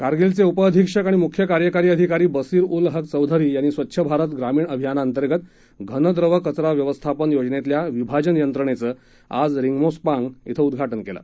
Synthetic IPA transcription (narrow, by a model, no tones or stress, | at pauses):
kaɾɡilt͡seupəəd̪ʱikʂəkaɽ̃imukʰjəkaɾjəkaɾiːəd̪ʱikaɾiːbəsiːɾulɦəkt͡səwd̪ʱəɾiːjaɽ̃iːsʋət̪ːɕʰəbʱaɾət̪ɡɾamiːɳəbʱijanaːnt̪əɾɡət̪ | ɡʱənəd̪ɾəʋəkət͡sɾaʋjəʋəst̪ʰapənjod͡znet̪ljaʋibʱad͡ʑənjənt̪ɾəɳ̃et͡səː | a̰d͡zɾiŋɡmospãŋɡit̪ʰəud̪ɡʱaʈənkela̰